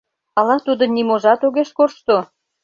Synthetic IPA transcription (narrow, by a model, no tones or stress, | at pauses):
ɑlɑt̪ud̪ə̆nimoʒɑt̪oɣeʃkorʃt̪o